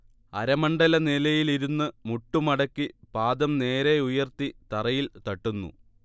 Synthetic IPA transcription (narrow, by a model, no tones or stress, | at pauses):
ɐ̰ɾɐmɐɳɖɐlɐnelɐjiliɾunːɨmuʈːumɐɽɐkːipaːd̪ɐmne̞ːɾeujɐrt̪it̪ɐrɐjilt̪ɐʈːunːṵ